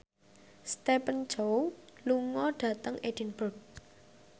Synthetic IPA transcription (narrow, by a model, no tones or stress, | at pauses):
st̪epən̥d͡ʒowluŋɔɖ̥ä̤t̪əŋed̥inbod̪̚